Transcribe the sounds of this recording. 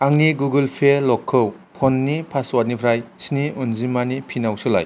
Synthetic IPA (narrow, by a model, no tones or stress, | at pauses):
aŋniɡuɡɯlpʰelɔkʰːɯwpʰɔnːipʰaswat̚nipʰɾajsniunzimanipʰinawsɯla̰j